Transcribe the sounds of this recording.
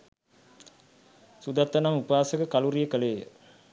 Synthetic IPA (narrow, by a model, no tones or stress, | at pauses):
sud̪at̪ːənamupaːsəkəkaluɾijəkəleːjə̰